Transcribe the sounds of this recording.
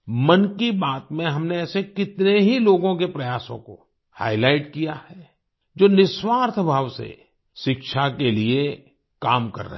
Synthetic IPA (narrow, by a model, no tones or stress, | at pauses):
mɐnkibaːt̪mẽɦɐmneɛːsekɪt̪neɦiloːɡõkepɾɐjaːsõ̰ko̰ | ha̰ːɪlaːɪʈkijahɛ | d͡ʒoːnɪswaːɾt̪ʰbʱaːʋsḛ | ʃɪkʃakelie | kaːmkɐ̰ɾːə̰